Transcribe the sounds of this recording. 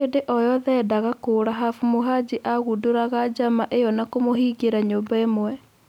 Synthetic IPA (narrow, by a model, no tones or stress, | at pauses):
edeʔɔjɔðɛːdaɣakoːɾaɦafumoɦad͡ʑiʔaɣudoɾaɣad͡ʑamaʔejɔnakomoɦiːɡeɾaɲoːbaemowɛ